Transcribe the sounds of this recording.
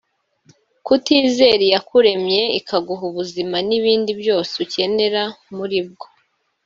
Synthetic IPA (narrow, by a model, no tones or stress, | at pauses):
kutiːze̞ɾijakuɾe̞mɲe̞ikʰaɡuɦuβuzimaniβiːndibjo̞ːseuce̞ne̞ɾamuɾib̚ɡo̞̥